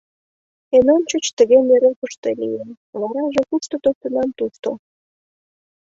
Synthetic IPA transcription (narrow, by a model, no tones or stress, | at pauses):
enont͡ɕot͡ɕt̪əɣemeɾokəʃt̪elḭjen | βɑɾɑʒekuʃt̪ot̪ok̚t̪ə̆nɑmt̪uʃt̪o